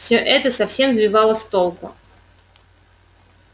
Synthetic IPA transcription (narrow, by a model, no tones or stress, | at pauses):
sʲoʔɛt̪əsɐfsʲe̞mzbʲɪvɑlˠəst̪olˠkʊ̰